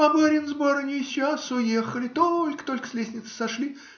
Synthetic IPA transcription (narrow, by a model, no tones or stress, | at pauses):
ɐbaɾʲɪnzboɾɨnʲɪsʲasʊjexəlʲɪt̪olʲkə̥t̪olʲkə̥slʲesʲnʲɪt̪sə̥sɐʂlʲi